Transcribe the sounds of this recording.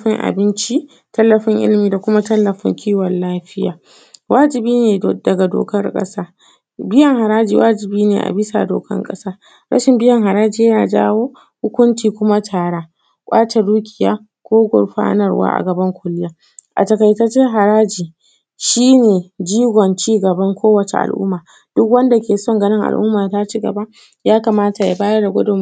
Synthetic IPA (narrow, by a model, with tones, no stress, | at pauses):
ɸɪ˦ŋʔa̰˨bɪ˦nt͡ʃi˦ | tɐ˦lːɐ˨ɸɪ˦ŋʔɪ̰˦lɪ˦miː˨da˨kʷʊ˦ma˦tɐ˦lːɐ˨ɸɪ̰˦ŋkʲʰiː˦wɔ˨nlːaː˦ɸɪ˦jaː˨ | waː˦d͡ʒɪ˨biː˦neː˨dɐ˨ɡa˨do̰ː˨kɐ˦rkʼɐ̰˦saː˦ | bɪ˦jɐ˨ŋɦa˨ɾaː˦d͡ʒḭː˨wʔaː˦d͡ʒɪ˨biː˦nḛː˨ʔa̰˨bɪ˦sa̰˨do̰ː˨kɐ̰˦ŋkʼɐ̰˦saː˦ | ɾʔɐ̰˦ʃɪ˨mbɪ˦jɐ˨ŋɦa˨ɾaː˦d͡ʒiː˦jaː˨d͡ʒa̰ː˦woː˦ | hʊ˦kʷʊ˦nt͡ʃiː˨kʷʊ˦ma˦tʰaː˨ɽaː˦ | kʷʼaː˦t͡ʃɐ˨duː˦kʲʼɪ˨ja̰ː˦ | kʷoː˦ɡʷɔ̰˨rɸa̰ː˦nɐ˨rwa̰ː˦ʔa̰˨ɡɐ˨bɐ˦ŋkʷʊ˦lɪ˦jaː˦ | ʔa̰˨tɐ˨ka˨jtɐ˦t͡ʃɪ˦ɦa˨ɾaː˦d͡ʒiː˨ | ʃiː˦neː˨d͡ʒiː˦ɡʷɔ˨nt͡ʃiː˦ɡɐ˨bɐ˦ŋkʷoː˦wɐ˨t͡ʃe˨ʔa̰˨lʔʊ̰˦mːaː˨ | d̥ʊ˦kwɐ˦nda˨kʲeː˨sɔ˦ŋɡɐ˦nɪ˦ŋʔa̰˨lʔʊ̰˦mːaː˨ta˦t͡ʃi˦ɡɐ̰˨ba˦ | jaː˦ka˨maː˦ta˨ja̰˨baː˦jɐ˦rda˨ɡʷʊ˦dʊ˨m